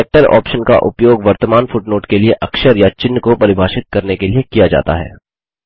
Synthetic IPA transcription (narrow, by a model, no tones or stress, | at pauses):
eːk̚ʈəɾɔ̰ːpʃənka̰ʔʊ̰pjoːɡʋɐɾt̪əmaːnfʊʈnoːʈkelieʔɐkʃəɾjat͡ʃɪnːkopɐɾɪbʱaːʃɪt̪̚kɐɾnekeliekijad͡ʒa̰ːt̪a̰ɦɛ̰ː